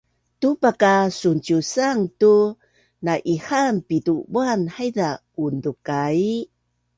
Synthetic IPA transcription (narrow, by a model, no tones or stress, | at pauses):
tupakasunt͡ʃusaŋtu | naʔihanpitubuanhajda | undukai